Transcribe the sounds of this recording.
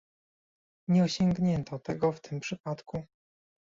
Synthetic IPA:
ɲɛɔɕɔŋɡɲɛnt̪ʰɔt̪ɛɡɔft̪ɘmpʂɘpat̪ku

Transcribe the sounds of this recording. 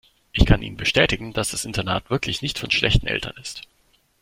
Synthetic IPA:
ʔɪçkʰanʔḭːməbəʃtɛːtɪɡŋ̩d̥asd̥asʔɪntɐnaːtv̥ɪɐkʰlɪçnɪçtfɔnʃlʔɛ̰çtn̩ʔɛ̰ltʰɐ̰nɪst

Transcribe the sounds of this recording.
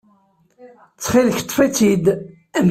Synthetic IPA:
t͡sːχilçt̪ˤːfit͡sid̪ | æm

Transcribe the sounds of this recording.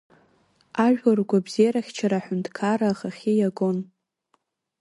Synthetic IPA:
aʒᶣarɡʷabzejaɾaχʲt͡ʃʰaɾaħᶣʊndʰkʰaɾaːχaχʲijaɡon

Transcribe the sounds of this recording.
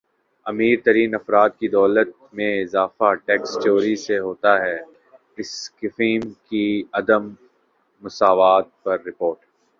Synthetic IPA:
ɐmiːɾt̪ɐɾiːnɐfɾaːd̪̚kid̪ɔːlət̪̚mẽɪzaːfaʈɛːkst͡ʃoːɾiseɦoːt̪aɦɛː | ɪskɪfiːmkiɐd̪əmː | ʊsaːʋaːt̪̚pɐɾːɪpoːɾʈ

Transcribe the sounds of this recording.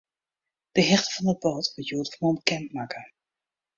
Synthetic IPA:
d̥əɦɛχtəvɑndəd̚boːtʋəjuːdəχmɔnkɛntmaːkʰə

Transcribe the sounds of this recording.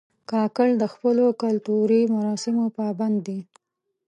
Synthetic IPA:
kɑkəld̪əxpəlokalt̪uɾimaɾɑsɪmopɑband̪ːi

